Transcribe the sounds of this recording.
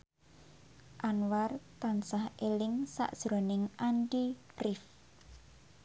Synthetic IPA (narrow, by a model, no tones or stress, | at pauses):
ʔanwart̪ansahelɪŋsa̰ʔd̥ʒ̥ɾonɪŋanɖirɪf